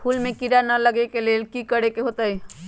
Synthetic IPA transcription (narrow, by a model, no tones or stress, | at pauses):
pʰuːlmẽkiɾanələɡekelelkikəɽekeɦot̪ai